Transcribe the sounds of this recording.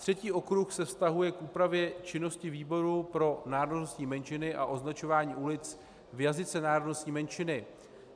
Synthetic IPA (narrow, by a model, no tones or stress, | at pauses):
t̪r̝̥ɛciːʔo̞kɾuxsɛfst̪aɦujɛkʔuːpɾavjɛt͡ʃɪno̞scɪviːbo̞ɾupɾo̞naːɾoddnost̪ɲiːmɛnt͡ʃɪnɪʔa̰ʔo̞znat͡ʃo̞vaːɲiːʔulɪt͡s | vjazɪt͡sɛnaːɾodnost̪ɲiːmɛnt͡ʃɪnɪ